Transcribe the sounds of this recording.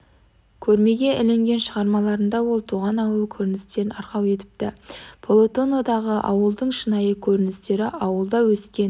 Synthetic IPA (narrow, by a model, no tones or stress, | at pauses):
kʲʰɵɾme̞ɡʲe̞ʔɪle̞ŋɡʲe̞nʃəʁɑɾmɑlˠɑɾənd̪ɑwo̞lˠt̪ʰuʁɑnɑwəlˠkʲʰɵɾɪnɪst̪e̞ɾɪnɑɾqɑwe̞t̪ɪ̥p̚t̪ɪpʰolˠo̞t̪o̞no̞d̪ɑʁəʔɑ̰wəlˠd̪əɴʃənɑjəkʲʰɵɾɪnɪst̪e̞ɾɪɑwəlˠd̪ɑwɵskʲe̞n